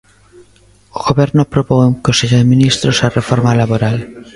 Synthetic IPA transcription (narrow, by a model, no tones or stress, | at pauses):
oɣoβɛɾnopɾopoŋkoseʎoðemĩnist̪ɾosarefoɾmalaβoɾal